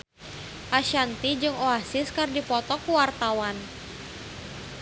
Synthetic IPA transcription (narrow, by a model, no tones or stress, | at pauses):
ʔaʃant̪id͡ʒɨŋoasɪskardipɔt̪ɔkuwart̪awan